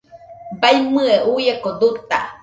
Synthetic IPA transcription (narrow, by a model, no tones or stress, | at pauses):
bajmɯeujekod̪ut̪a̰